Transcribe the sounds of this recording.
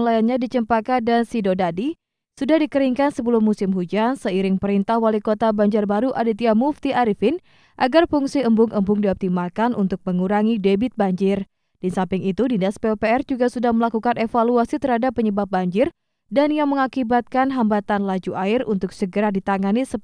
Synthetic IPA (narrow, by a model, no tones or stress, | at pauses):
ŋlajanɲadit͡ʃəmpakadansidodadi | sudahdikəɾiŋkansəbəlʊmːusɪmɦud͡ʒansəiɾɪŋpəɾint̪ahwalikot̪abaɲd͡ʒarbaɾuʔadit̪iamuft̪iʔaɾifɪn | ʔaɡarfuŋsiəmbʊŋʔəmbʊŋdiɔp̚t̪imakanʔunt̪ʊk̚məŋuɾaŋidebɪt̪̚baɲd͡ʒɪr | d̥isampɪŋit̪udinaspeopeɛrd͡ʒuɡasudahməlakukanefaluasit̪əɾhadapːəɲəbap̚baɲd͡ʒɪr | danjaŋməŋakibat̪̚kanɦambat̪anlad͡ʒuʔaɪrunt̪ʊksəɡəɾadit̪aŋanisə